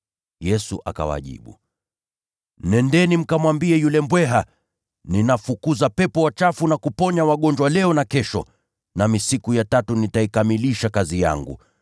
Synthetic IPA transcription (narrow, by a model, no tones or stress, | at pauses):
jɛsuʔaka̰wa̰ʄḭɓṵ | nɛndɛnim̩kamwambiɛjulɛmbwɛɦa | ninafukuzapɛpɔwat͡ʃafunakupɔɲawaɠɔnd͡ʒwalɛɔnakɛʃɔ̰ | namisikujatatunitaikamiliʃakazija̰ŋɡṵ